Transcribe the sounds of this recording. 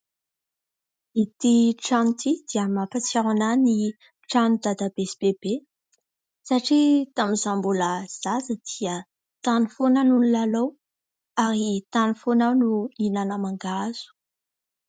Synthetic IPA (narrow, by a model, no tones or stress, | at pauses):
it̪iʈ͡ʂant̪id̪̥iəmapat͡saɾanani | ʈ͡ʂand̪ad̪abesib̥ebe | saʈ͡ʂit̪amizambuləz̥azəd̪̥iə | t̪anifonanunilalow | aɾit̪anifonanuinanəmaŋɡaz̥u̥